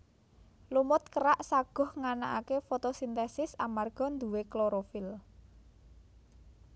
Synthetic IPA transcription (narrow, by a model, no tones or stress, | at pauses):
lumʊt̪̚kəɾaʔsaɡ̥ɔ̤hŋanaʔakefot̪osint̪ɛsɪsamarɡ̥ɔ̤nd̪uwekloɾofɪl